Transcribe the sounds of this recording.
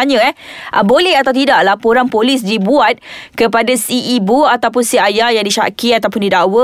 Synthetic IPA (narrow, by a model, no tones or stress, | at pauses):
aɲə̃ɛʔəbolɛhat̪awt̪̬idaʔlahpoɾanpolis̬dibuat̪̚kəpadasiʔːbuat̪awp̬ʊnsiajajaŋdiʃa̰kiat̪awpʊndidawə